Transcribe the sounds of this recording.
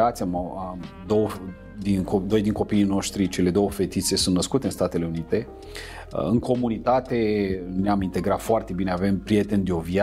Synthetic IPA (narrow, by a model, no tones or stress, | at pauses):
at̪sʲam | d̪o̞wə | d̪inkod̪o̞jd̪iŋko̞piːno̞ʃt̪ɾit͡ʃe̞le̞d̪o̞wəfe̞t̪it̪se̞sunt̪nəskut̪eɨnst̪at̪e̞le̞unit̪e̞̰ | ɨŋkʰo̞munit̪at̪e̞neamint̪e̞ɡɾat̪foart̪e̞bine̞ave̞mpɾije̞t̪e̞nd̪eo̞vja